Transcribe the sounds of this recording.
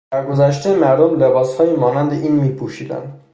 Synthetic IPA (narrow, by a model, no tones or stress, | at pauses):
d̪̥æɾɡo̞zæʃ̬t̪emæɾd̪omle̞bɒːshɒːjimɒːnænd̪e̞ʔiːnmiːpʰuːʃiːd̪æ̰nd̪̥